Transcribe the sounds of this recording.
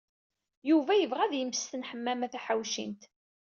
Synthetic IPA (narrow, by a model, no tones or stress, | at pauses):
juvæjəvʁæðjəməst̪ənħəmːæmæθæħawʃḭnt̪